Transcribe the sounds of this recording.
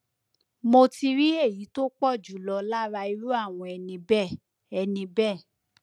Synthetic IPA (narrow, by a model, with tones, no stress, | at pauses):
mo˧ti˧ɾi˦e˦˨ji˨˦to˦k͡pɔ˦˨d͡ʒu˨˦lɔ˧la˦ɾa˧i˧ɾu˦a˦˨w̃ɔ̃˧ɛ˧nĩ˧bɛ˦˨ | ɛ˧nĩ˧bɛ˦˨